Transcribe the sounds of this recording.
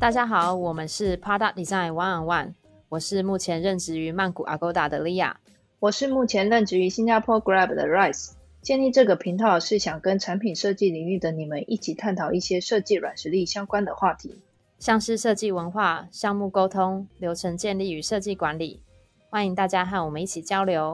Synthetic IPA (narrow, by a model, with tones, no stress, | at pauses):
t̪a˥˩t͡ɕja˥xɑ˨˩˦ʊwɔ˨˩mə˦nʂɻ̩˥˩pʰa˥t̪a˥˩i˨˩za˥˩˨nwɑ˧˥ŋə˨˩wa˥˩n | wɔ˨˩ʂɻ̩˥˧mu˥˩t͡ɕʰjɛ˧˥nɻə˥˩nʈ͡ʂɻ̩˧˥y˧˥ma˥˩nku˨˩ʔa̰˨˩ko˧˥ʊt̪a˨˩d̪ə˨li˥ja̰˥˩ | wɔ˨˩ʂɻ̩˥˧mu˥˩t͡ɕʰjɛ˧˥nɻə˥˩nʈ͡ʂɻ̩˧˥y˧˥ɕi˥nt͡ɕa˥pʰwɔ˥ɡɹa˥˩bd̪ə̰˨ɹa˥˩ɪs | t͡ɕjɛ˥˧ni˥˧ʈ͡ʂɤ˥˩ɡə˩pʰi˧˥ŋt̪ʰɑ˥˩ʊʂɻ̩˥˩ɕjɑ˨˩ŋkə˦nʈ͡ʂʰa˧˥npʰi˨˩nʂɤ˥˧t͡ɕi˥˩li˨˩ŋy˥˩d̪ə˦ni˨˩mə˦nʔi˥˩t͡ɕʰi˨˩t̪ʰa˥˩nt̪ʰɑ˨˩ʊi˥˩ɕjɛ˥ʂɤ˥˧t͡ɕi˥˩ɻwa̰˨˩nʂɻ̩˧˥li˥˩ɕjɑ˥ŋkwa˥nd̪ə˨xwa˥˩t̪ʰḭ˧˥˦ | ɕjɑ˥˧ŋʂɻ̩˥˧ʂɤ˥˧t͡ɕi˥˩wə˧˥nxwa˥˩ɕjɑ˥˧ŋmu˥˩ko˥ʊt̪ʰʊ˥ŋljo˧˥ʊʈ͡ʂʰə˧˥ŋt͡ɕjɛ˥˧nli˥˩y˧˥ʂɤ˥˧t͡ɕi˥˩kwa˧˦˥nli˨˩ | xwa˥˩ni˧˩ŋt̪a˥˩t͡ɕja˥xa˥˩nwɔ˨˩mə˦ni˥˩t͡ɕʰi˨˩t͡ɕjɑ˥ʊljo˧˥ʊ